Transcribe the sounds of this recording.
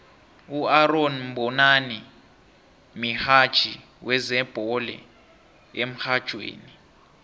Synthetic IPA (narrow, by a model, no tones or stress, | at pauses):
uaronm̩bɔnani | mihad̥ʒ̥ʱi | wʔɛzɛb̥ʱɔlɛ̰ | em̩xad̥ʒ̥ʱwḛːni